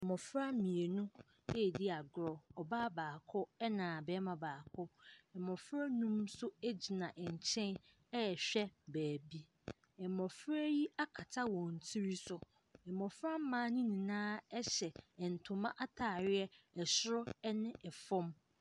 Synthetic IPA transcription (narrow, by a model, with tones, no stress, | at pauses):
ɛ˨mɔ̃˨fɾa˦mĩ˨e˨nʊ̃˦ | ɛ˦˨dɪ˦a˨ɡɾɔ˨ɔ˨baː˦baː˨kʰɔ˦ɛ˦nãː˨bɛ˦mã˨baː˨kʰɔ˦ɛ˨mɔ̃˨fɾa˦nũ˦msʊ˦e˦d͡ʑi˨nã˨ʔɛ˨ɲ˨t͡ɕʰɛ̃˦n | ɛ˦ɛ˨ɕᶣɛ˦bæː˨bi˦ | ɛ˨mɔ̃˨fɾæ˦ji˦a˦kʰa˨tʰa˦wɔ̃˨n˨tʰi˦ɾi˦sʊ˨ | ɛ˨mɔ˨fɾa˦m̩˦mãː˦nĩ˦nĩ˨nãː˦ɛ˦ɕɛ˨n̩˨tʰʊ̃˨mã̰˦ʔa˦tʰaː˨ɾɪ˦ɛ˦ɛ˨sʊ˦ɾɔ˦ɛ˦nɪ̃˦ɛ˨fɔ̃˦m